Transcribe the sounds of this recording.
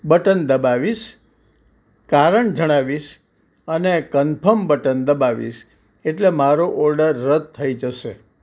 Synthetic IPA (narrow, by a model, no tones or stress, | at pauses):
bəʈənd̪əbaʋiʃ | kaɾəɳd͡ʒəɽ̃aʋiʃ | ənekənpʰəmbəʈənd̪əbaʋḭʃ | eʈlemaɾoʔɔɾɖəɾːəd̪̚t̪ʰːəid͡ʒəʃe